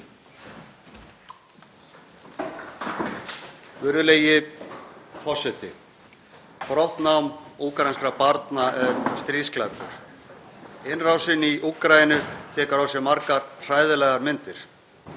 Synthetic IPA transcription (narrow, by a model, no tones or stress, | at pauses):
vʏɾðʏleːjɪ | fɔsɛt̪ɪ | pɾɔht̪nawmuːkɾajnskɾapaɾt̪naʔɛɾst̪ɾisklat̪ʏ̰ɾ̥ | ɪnrawsɪniʔuːkɾaːjɪnʏt̪ʰɛːkaɾawsjɛɾmaɾkaɾr̥aːjðɪlɛɣaɾmɪnt̪ɪɾ̥